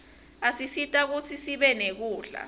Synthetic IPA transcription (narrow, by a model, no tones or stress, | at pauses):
asisitʼak̬ut͡sʰisiɓɛnek̬uːɮa̰